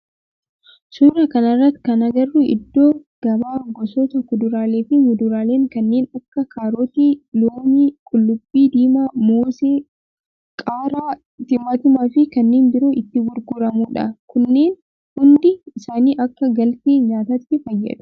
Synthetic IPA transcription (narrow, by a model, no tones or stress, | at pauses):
sʊɾɐkɐnɐrːɐt̪ːkɐnɐɡɐrːʊʔɪ̰d̪ːo̞ːɡ̥ɐbaːŋɡɔsoːt̪ɐkʊd̪ʊɾaːleːfɪmʊd̪ʊɾaːle̞ːŋkɐnːe̞ːnɐkːɐkʰaːɾoːt̪iːloːmiːkʼʊlːʊbːiːd̪iːmaːmoːseː | kʼaːɾaː | t̪ɪmːɐt̪ʊmaːfɪkɐnːeːnbɪɾoːʔɪt̪ːɪɡʊɾɡʊɾɐmuːᶑɐ̰kʊnːe̞ːn | hʊnd̪ɪɪsaːniːʔɐkːɐɡɐlt̪eːɲaːt̪ɐt̪ːɪfɐjːɐ̰ᶑ̪ʊ̥